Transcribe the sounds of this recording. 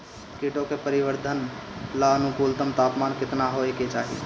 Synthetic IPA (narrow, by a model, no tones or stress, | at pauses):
keʈokepəɾiʋəɾd̪ʱənlaənukult̪əmt̪apmaːnkɪt̪naɦoeket͡ʃaːɦḭ